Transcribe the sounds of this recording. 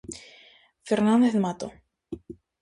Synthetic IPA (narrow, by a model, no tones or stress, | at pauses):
fɛɾnand̪ɪθmaːt̪o